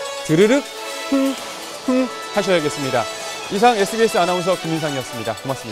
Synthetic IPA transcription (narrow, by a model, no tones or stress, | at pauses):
tɯɾɯɾɯk̚ | hɯŋ | hɯŋ | haɕ̬ʰʌjaɡe̞s͈ɯmɲida | isʰaŋe̞sʰɯɡesʰɯanaons̬ʰʌkɯminsʰaŋiʌks͈ɯmɲida̰komas͈ɯmɲia